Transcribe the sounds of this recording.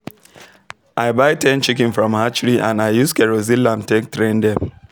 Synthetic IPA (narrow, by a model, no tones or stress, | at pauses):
ʔaɪbaɪtʰɛ̃nt͡ʃikĩnfɹɔ̃mhat͡ʃɹiʔã̰naɪjuskɛɹozilãmtek̚tɾɛ̃ndɛ